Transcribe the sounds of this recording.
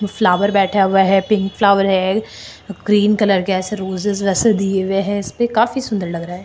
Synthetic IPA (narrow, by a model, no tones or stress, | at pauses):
oflaːʋəɾbɛːʈʰaʋɛɦɛpɪ̃ŋkflaːʋəɾɦɛ | ɡɾiːnkɐləɾkɛːseɾoːzɪzʋɛːsed̪ieʋeɦɛ̃ɪspekaːfisʊ̃nd̪əɾlɐɡɾaːɦɛː